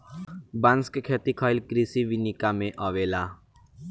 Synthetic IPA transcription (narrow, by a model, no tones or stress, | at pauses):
banskkʰet̪ikʰɔːilkɾisiʋinikamẽʔɔʋeːla